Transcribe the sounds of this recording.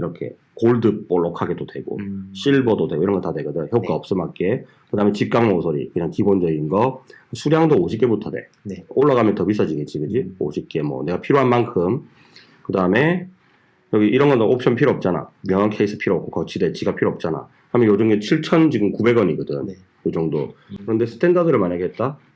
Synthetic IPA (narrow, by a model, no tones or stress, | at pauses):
iɾʌkʰe̞̰ | koɭdɯp͈oɭːʌkʰaɡedodwe̞ɡo̰ɕ͈ʰiɭbʌdodwe̞ɡoiɾʌnɡʌtadwe̞ɡʌdaçjʌpk͈aʌp̚s͈ɯmak͈e̞ | kɯdaːme̞t͡ɕip̚k͈aŋmosʰoɾḭkɯɲaŋkibond͡ʑʌɡinɡʌsʰuɾjaŋdooɕʰik͈e̞butʰade̞̰ | noɭːaɣamjʌntʌbis̬͈ʌd͡ʑiɡe̞t͡ɕ͈iɡɯd͡ʑio̰ɕʰik͈e̞mwʌ̰ne̞ɡapʰiɾoɦanmankʰɯm | kɯdaɯme̞ | jʌɡiʔiɾʌnɡʌnʔop̚ɕ͈ʰʌnpʰiɾoʌp̚t͡ɕ͈ana̰mjʌŋankʰe̞isʰɯ̥pʰiɾoʌp̚k͈ʰokʌt͡ɕʰide̞t͡ɕiɡapʰiɾoʌp̚t͡ɕ͈ana̰ | ɯɾamʌnjod͡ʑuŋet͡ɕʰiɭt͡ɕʰʌnt͡ɕiɡɯmkube̞ɡʌɲiɡɯdɯ̰m | jod͡ʑʌŋdo̰kɯɾʌnde̞sʰɯ̥tʰe̞ndadɯɾɯɭmaɲaɡeɦet̚t͈a